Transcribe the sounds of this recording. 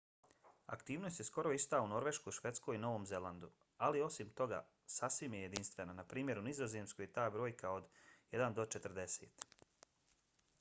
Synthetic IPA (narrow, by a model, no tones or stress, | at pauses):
a̰kt̪iːʋno̞st̪jsko̞ɾo̞ist̪auno̞ɾʋe̞ʃkoʃʋe̞t̪skoino̞ʋo̞ːmze̞land̪u | alio̞simt̪o̞ɡa̰ | sasʋimjeje̞d̪inst̪ʋe̞nanapɾiːmʲje̞ɾunizo̞zeːmskojt̪aːbɾo̞ːjkaod̪jed̪and̪o̞t͡ʃe̞t̪ɾd̪e̞sḛːt̪